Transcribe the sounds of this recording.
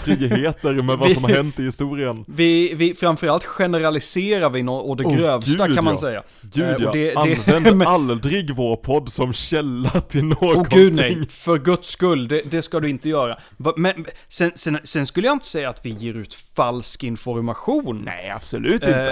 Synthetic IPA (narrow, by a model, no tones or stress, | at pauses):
fɾiːɦeːt̪əɾmɛvasɔmɦɛnt̪ɪhɪst̪uːɾɪənvɪvɪfɾamfœɾalt̪ɧɛnəɾalɪseːɾaɾvɪnɔɔd̪ɛɡɾøːvst̪aanmansɛjːa̰ | ɡʉd̪ɛad̪ɛndald̪ɾɪɡvoːɾpʰɔd̪ːsɔmɕɛlːat̪ʰɪlnoːoɡʉ̟ːd̪nɛjŋfœɾɡɵt̪skɵlːd̪ɛd̪ɛskad̪ɵɪnt̪əjœːɾa | vmɛnsɛnsɛnsɛnskɵlːəjaɪnt̪ə̥sɛjːaːt̪vɪjeːɾʉ̟ːt̪falskɪnfɔɾmaɧuːnnɛ̰a̰b̥sɔlʉ̟ːt̪ɪ